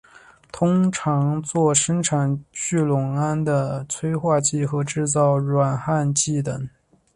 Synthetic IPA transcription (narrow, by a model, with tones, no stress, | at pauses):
t̪ʰʊ˥ŋʈ͡ʂʰɑ˧˥ŋt͡swɔ˥˩ʂə˥ŋʈ͡ʂʰa˨˩nt͡ɕy˥˩lʊ˨˩ŋa˥nd̪ə˨t͡sʰwe˥ɪxwa˥˧t͡ɕi˥˩xɤ˧˥ʈ͡ʂɻ̩˥˧t͡sɑ˥˩ʊɻwa˨˩nxa˥˧nt͡ɕi˥˩t̪ə˨˩˦ŋ